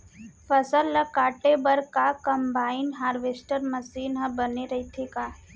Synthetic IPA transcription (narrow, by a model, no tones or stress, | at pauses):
fəsəlːɐkaːʈebɐɾkakəmbaːɪnɦaːɾʋeːsʈəɾməsiːnɦɐ̃bəneɾɐɦit̪ʰekaː